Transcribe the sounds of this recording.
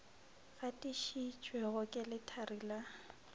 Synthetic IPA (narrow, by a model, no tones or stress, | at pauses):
ɣatʼiʃit͡ʃʼwɛɣʊkʼɪlɪtʰarila